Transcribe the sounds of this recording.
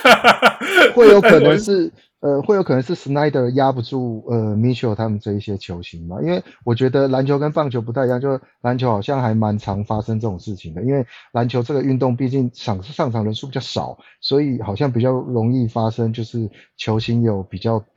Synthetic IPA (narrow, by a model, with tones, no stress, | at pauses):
xwe˥˩ɪjo˧˥ʊkʰɤ˨˩nə˧˦ŋʂɻ̩˥˩ | ə˧xwe˥˩ɪjo˧˥ʊkʰn˧˦ŋʂ̩˥˩sna˧˥ɪd̪ə˨˩ja˥pu˧ʈ͡ʂu˥˩ə˩mi˧˥nɕjo˨˥˩t̪ʰa˥mə˨nt͡sə˥˩˦i˥˩ɕjɛ˥t͡ɕʰjo˧˥ʊɕi˧˥nma˨ʔḭ˥nwe˥˩ɪwɔ˨˩t͡ɕɥɛ˧˥d̪ə˧la˧˥nt͡ɕʰo˧˥ʊkə˦npɑ˥˩ŋt͡ɕʰo˧˥ʊp̬t̪ʰa˥˧jŋt͡ɕjo˥˧˥la˧˦˥nt͡ɕʰjo˧˥ʊxɑ˨˩ʊɕjɑ˥˩ŋxa˧˥ɪma˧˦˥nt͡sʰɑ˧˥ŋfa˥ʂə˥ŋʈ͡ʂɤ˥˩ʈ͡ʂo˨˩ŋʂɻ̩˥˩t͡ɕʰi˨˩ŋd̪ə˩i˦˥nwe˥˩ɪla˧˦nt͡ɕʰjo˧˥ʊʈ͡ʂɤ˥˩ɡə˩y˥˧nt̪o˥˧ŋpi˥˧t͡ɕi˥˩ŋʂɑ˨˩ŋʂɑ˥˩ŋʈ͡ʂʰɑ˨˩ŋɻə˧˥nʂu˥˩pi˨˩t͡ɕɑ˥˩ʊʂɑ̰˨˩˦ʊ | swɔ˧˥i˨˩xɑ˨˩ʊɕ̬jɑ˥˩ŋpi˨˩t͡ɕjɑ˥˩ʊɻo˧˥ŋi˥˩fa˥ʂə˥ŋt͡ɕjo˥˧ʊʂɻ̩˥˩t͡ɕʰjo˧˥ʊɕʰi˧˥njo˨˩˦ʊpi˨˩t͡ɕjɑ˥˩ʊ